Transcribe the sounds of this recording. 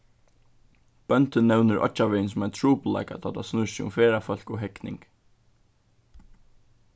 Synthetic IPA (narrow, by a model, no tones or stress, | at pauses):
b̥œnt̪ənːɛwnəɾʔɔ̰t͡ʃːaʋɛːnsʊmaɪt̪ʰɹuːpla̰ɪka̰t̪ʰat̪ʰa̰snʊsɪʊ̰mfɛːɾafœl̥kʊɦɛknɪ̰ŋk